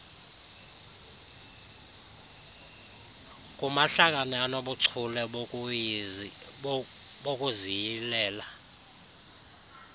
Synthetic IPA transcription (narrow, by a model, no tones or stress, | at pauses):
k̬ʼumaɬak̬ʼanɛanoɓuǀʰulɛ | ɓokʼuzijilɛːla